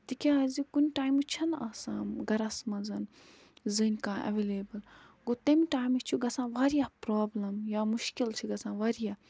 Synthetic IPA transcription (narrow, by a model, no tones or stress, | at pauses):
t̪ikʲeazikunʲʈaːjmut͡ʃʰɐnaːsãːmɡɐɾɐsmɐzɐn | zɨnʲkãːʔɐ̰ʋeːleːbɐl | ɡot̪emiʈaːjmit͡ʃʰuɡɐsãːʋaːɾijaːpɾoːblɐmjaːmuʃkilt͡ʃʰiɡɐsãːʋaːɾijaː